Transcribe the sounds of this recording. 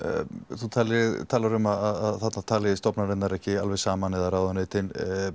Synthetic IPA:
θut̪ʰaːlɪðt̪ʰaːlaɾʏmaðaðaðθat̪nat̪ʰaːlɪɪst̪ɔpnaɾɛnaɾɛhcɪalvɛɣsaːmanɛðaɾaːwðaneːjt̪ɪn

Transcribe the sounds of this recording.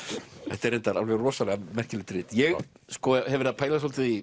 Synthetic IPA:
ɛht̪ɛɾejnt̪aɾa̰lvɛɣrɔːsalɛɣamɛr̥cɪlɪt̪ɾɪːt̪jɛɣ | skɔːahɛvɾðapʰaːjlasɔlt̪ɪi

